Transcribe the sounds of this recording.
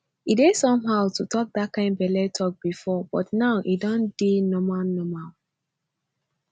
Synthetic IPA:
idesɔ̃mɦaʊtutʰɔk̚d̪at̚kãɪ̃ndbɛlɛtʰɔk̚b̥ifɔb̥ɔtnaʊʔidɔ̃ndinɔmalnɔmal

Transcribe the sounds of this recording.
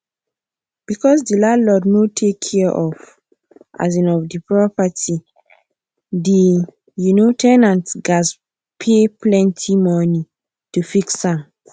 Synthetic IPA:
b̥ikɔs̬dilalɔdnotʰekʰːɛɛʔɔf | ʔa̰z̬ĩnɔvdipɹɔpati | di | junotʰɛnãntɡas | pʰeplɛ̃ntʰimɔni | tufiksãm

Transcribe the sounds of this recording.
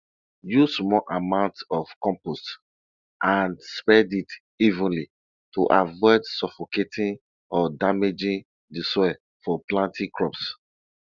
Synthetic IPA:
jusmɔʔamãʊ̃ntsɔfkɔ̃mpost | ʔãnspɛdit | ivə̃nli | tuʔavɔɪdsɔfoketʰĩn | ɔdamed͡ʒĩn | disɔɛ | fɔplãntʰĩkʰɹɔps

